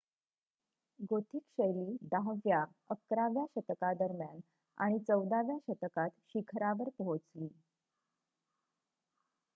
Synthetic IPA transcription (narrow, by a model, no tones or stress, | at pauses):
ɡot̪ʰikɕəjliːd̪aɦʋja | əkɾaʋjaɕət̪kad̪əɾmjan | a̰ɽ̃it͡səwd̪aʋjaɕət̪kat̪ɕikʰɾaʋəɾpəɦot͡sliː